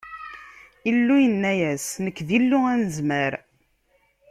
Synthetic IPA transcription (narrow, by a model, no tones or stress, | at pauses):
ilːujənːæjæsnəkːðilːʊænəzməɾ